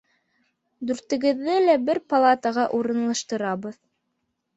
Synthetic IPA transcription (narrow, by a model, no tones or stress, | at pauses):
d̪ʉɾt̪ɘ̆ɡɘ̆ðːɘlæbɘɾpɐlˠat̪əʁɑʔuɾɤ̆nlˠɑʃt̪ɤ̆ɾɑβɤð